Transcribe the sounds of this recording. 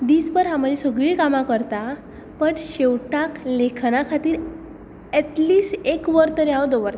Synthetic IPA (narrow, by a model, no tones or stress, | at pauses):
d̪iːsbəɾɦam̤əd͡ʑʱesəɡɭiːkamãkəɾt̪a | pəɳɕeʋʈaklekʰnakʰat̪iːɾ | ɛʈliːsʈekʋəɾt̪əɾeawd̪oʋəɾt̪